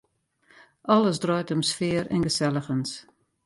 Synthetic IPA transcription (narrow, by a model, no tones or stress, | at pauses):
ʔɔləsdrɔjtəmsfɪəɾɛ̰nɡəsɛlˠəxəns